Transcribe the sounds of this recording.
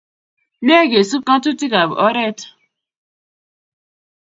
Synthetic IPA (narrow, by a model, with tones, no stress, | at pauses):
m˦e˦˨ɡe˨su˦kã˦tu˦ti˦ka˨bʊ̰˨ʔɔ˦ɾɛ˦tɔ̥˨